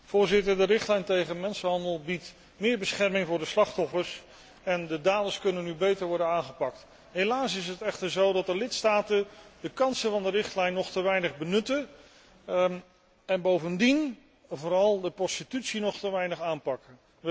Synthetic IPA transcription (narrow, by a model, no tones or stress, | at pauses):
v̥ʊːɹzɪtəɹdəɾɪχtlɛjntejχənmɛnsənɦɑndəlˠbit | mɪːɹbəsχɛɹmɪŋvʊːɹdəslɑχtɔfəɹs | ɛndədaːdəskɵnənːybejtəɹʋɔɹdənaːŋχəpɑk̚t | ɦejlaːsɪs̬ətɛχtəɹzowdɑtəlɪtstaːtəndəkɑnsəvɑndəɾɪχtlɛjnːɔχtəʋɛjnəχbənɵtə | ɛnbowvəndin | vʊːɾɑlˠdəprɔstitytsinɔχtəʋɛjnəχaːnpɑkə